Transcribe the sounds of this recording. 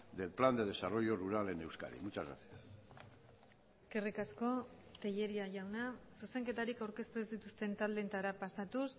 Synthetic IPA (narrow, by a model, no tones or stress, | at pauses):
d̪e̞lpland̪e̞ð̞e̞saro̞jo̞ruɾale̞ne̞wska̰ɾḭmut͡ʃazɾa̰sia | eske̞rikasko̞t̪e̞ʎe̞ɾiaʝawnasuse̞ŋke̞t̪aɾikawɾke̞st̪uezd̪it̪ust̪e̞nt̪ald̪e̞nt̪aɾapasat̪us